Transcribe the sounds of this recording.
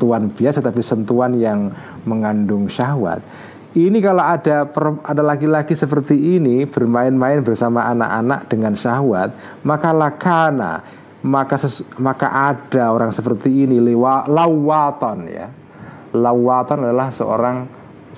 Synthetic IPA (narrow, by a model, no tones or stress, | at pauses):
t̪uanb̥iasat̪apisənt̪uanjaŋ | məŋandʊŋʃaɦwa̰t̪̚ | inikaloadapəradalaɡilaɡisəpərt̪iinib̥ərmaɪnmaɪnbərsamaʔana̰ʔana̰k̚d̥əŋanʃaɦwat̪̚ | makalahkʰana̰ | makasəmaka̰ʔad̥aoɾaŋsəpərt̪iːnilewalauwat̪ɔnja̰ | lauwat̪ɔnadalahsə̰ʔo̰ɾaŋ